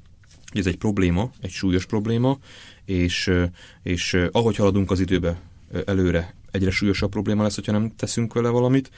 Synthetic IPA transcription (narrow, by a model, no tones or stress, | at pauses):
hoɟɛzɛc̚pro̞bleːmɒɛcʃuːjo̞ʃpro̞bleːmɒeːʃ | eːʃɒɦo̞chɒlɒd̪uŋkɒzid̪øːbɛ | ɛløːɾɛɛɟrɛʃuːjo̞ʃɒpːro̞bleːmɒlɛsːho̞chɒnɛmt̪ɛsyŋkʋɛlɛvɒlɒmit̪